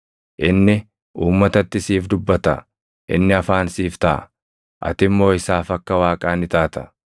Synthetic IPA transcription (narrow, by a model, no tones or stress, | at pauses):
ʔɪnːɪ | uːmːɐt̪ɐt̪ːɪsiːfd̪ʊbːɐt̪ɐ̰ | ʔɪ̰nːɪɐfaːnsiːft̪ɐ̰ː | ʔɐ̰t̪ɪmːo̞ːɪsaːfɐkːɐwaːkʼaːnɪt̪aːt̪ɐ̥